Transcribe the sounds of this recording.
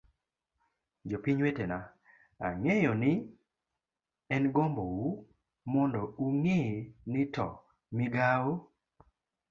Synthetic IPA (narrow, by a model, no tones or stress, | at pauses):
d͡ʒopiɲwetena | a̰ŋejɔnɪ | ɛnɡɔmbɔwu | mɔndɔuŋenɪtɔ̰ | mɪɡawo